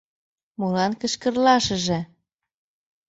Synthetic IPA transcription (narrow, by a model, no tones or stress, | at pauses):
mulɑnkə̆ʃkə̆rlɑʃə̆ʒĕ